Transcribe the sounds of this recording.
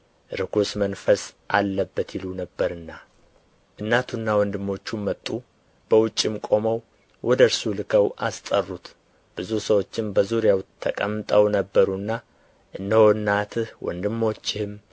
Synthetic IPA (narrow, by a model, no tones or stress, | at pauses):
ɨɾɨkusmənfəsʔalːəbːət̪ilunəbːəɾɨnːa | ʔɨnːat̪ʰunːawɔnd̪ɨmːo̞t͡ʃːumːət̪ʼːu | b̥əwʊt͡ʃʼːɪmkʼo̞məw | wʔɔd̪əɾsulɨkʰəwʔa̰st̪ʼərːut̪ | b̥ɨzusəwo̞t͡ʃːɪmbəzuɾjawt̪ʰəkʼəmːɨt̪ʼəwnəbːəɾunːa | ʔɨnːəhoɨnːat̪ʰɨhwɔ̰nd̪ɨmːo̞t͡ʃːɪhɨm